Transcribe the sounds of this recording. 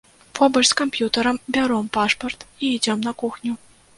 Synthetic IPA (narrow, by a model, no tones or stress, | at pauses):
fobɤlʲsʲkomʲpʲjut̪ə̆ɾɤ̆mbʲɑɾompɑʂport̪iidʲɤ̆mnɑ̆kuxnʲu